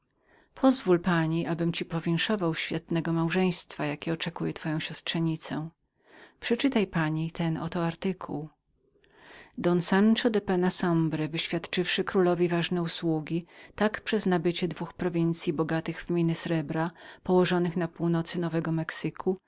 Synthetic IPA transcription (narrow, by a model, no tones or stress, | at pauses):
pʰɔzvulpaɲiʔabɘmt͡ɕipɔvʲjɛŋʂɔvawɕfʲjat̪nɛɡɔmawʐɛj̃st̪fajakʲɛɔt͡ʂɛkujɛt̪fɔjɔ̃w̃ɕɔstʂɛɲit̪sɛ | pʂɛt͡ʂɘt̪ajpaɲit̪ʰɛnɔ̰t̪ɔaɾt̪ɘkʰuw | d̪ɔnsant͡ʂɔd̪ɛpɛnasɔmbɾɛvɘɕfʲjat̪t͡ʂɘfʂɘkɾulɔvʲivaʐnɛuswuɡʲit̪akpʂɛznabɘt͡ɕɛd̪vuxpɾɔvʲint̪sʲjibɔɡat̪ɘɣvmʲinɘsɾɛbɾapɔwɔʐɔnɘxnapuwnɔt̪sɘnɔvɛɡɔmɛksɘkʰu